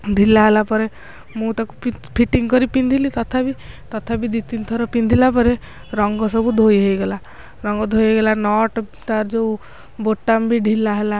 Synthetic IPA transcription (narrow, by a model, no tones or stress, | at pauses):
ɖʱilaɦelapɔɾe | mũt̪akuppʰiʈiŋɡkɔɾipind̪ʱilit̪ɔt̪ʰabit̪ɔt̪ʰabid̪it̪int̪ʰɔɾɔpind̪ʱilapɔɾe | ɾɔŋɡɔsɔbud̪ʱojɦejɡela | ɾɔŋɡɔd̪ʱojejɡelanɔʈ | t̪aɾd͡ʒou | boʈːambʱiɖʱilːaɦela